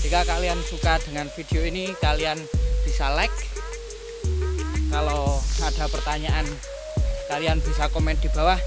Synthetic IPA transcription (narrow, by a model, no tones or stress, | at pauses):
d͡ʒikakaliansukad̥əŋanfid̪̥eoinikalianb̥isalɛk̚ | aloʔad̥a̤pərt̪aɲaʔan | kalianb̥isakomɛn̚d̪̥i̤b̥a̤wah